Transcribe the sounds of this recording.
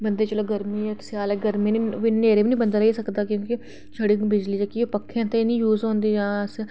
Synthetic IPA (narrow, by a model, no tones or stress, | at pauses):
bənd̪eːt͡ʃəloːɡəɾmiːeksjaːlɛɡəɾmĩːniːʋiːneːɾeːbiːnĩːbənd̪aːɾəiːsəkd̪aːkjõːkɪ | t͡ʃʰəɽiːbɪd͡ʒliːd͡ʒakiopəkʰːãːt̪enĩːjuːzõːnd̪iːd͡ʒãːəs